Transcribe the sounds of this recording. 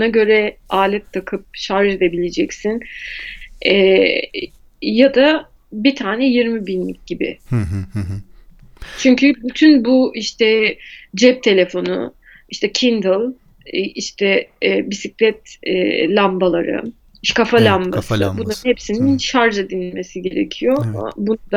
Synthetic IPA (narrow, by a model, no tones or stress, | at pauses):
anaɟø̞ɾɛaːlʲɛt̪ːʰakʰɯp̚ʃaɾʒe̞d̪e̞bilʲed͡ʒɛcsin | ɛ | jad̪a | bit̪ʰaːnɛjiɾmibinlːʲḭc̚ɟ̥ibɪ̰ɦɦ | t͡ʃʰyɲcʰybyt̪ʰynbuiʃt̪ʰɛd͡ʒɛp̚t̪ʰe̞lʲe̞fo̞nʊ̰ | iʃt̪ʰɛcʰind̪lˠ | iʃt̪ʰɛbisiclʲɛt̪lʲambalˠaɾɯ̰ | ʃkʰafalʲambasɯbunahepsininʃaɾʒad̪inilʲme̞siɟe̞ɾḛcʰijo̞ama̰bunud̪a